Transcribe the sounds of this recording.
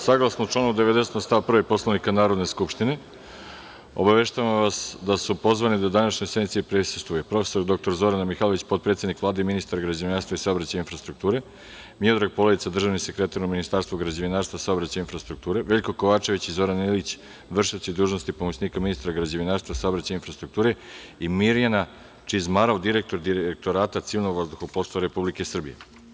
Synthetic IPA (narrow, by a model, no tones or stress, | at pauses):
saɡlˠasnout͡ʃlaːnud̪e̞ʋed̪e̞set̪ost̪aʋpr̩ʋepo̞slˠaʋnikanaːɾo̞d̪neskupʃt̪ine | o̰baʋe̞ʃt̪aʋamʋasd̪asupo̞zʋanid̪ad̪anaʃɲosnit̪siepɾeːse̥st̪ʋujepɾo̞fe̥so̞ɾd̪o̞k̚t̪o̞ɾzo̞ɾanmixalo̞ʋit͡ɕpot̪̚pɾet̪sʲjed̪nikʋlˠaːd̪eiminist̪aɾaɡɾad͡ʑeʋinaːɾst̪ʋaisaobɾat͡ɕajinfɾast̪ɾuk̚t̪uːɾe̞ | miod̪ɾaɡ̚po̞leit̪ad̪r̩ʒaːʋnise̞kɾe̞t̪aɾuminist̪aːɾst̪ʋoɡɾad͡ʑeʋinaːɾst̪vasaobɾat͡ɕajinfɾast̪ɾuk̚t̪uːɾe̞ʋe̞ʎʲko̞ko̞ʋaːt͡ʃe̞ʋit͡ɕizo̞ɾanilit͡ɕ | ʋr̩ʂiot͡ɕid̪uːʒnost̪ipomosniːkaminist̪aɾaɡɾad͡ʑeʋinaːɾst̪ʋasaobɾat͡ɕajinfɾast̪ɾukt̪uːɾe̞imiɾijana | t͡ʃizmaɾaud̪iɾe̞k̚t̪o̞ɾd̪iɾeek̚t̪oɾaːt̪at̪siːnoɡʋazd̪uxoposaɾe̞publikesr̩bije̞̰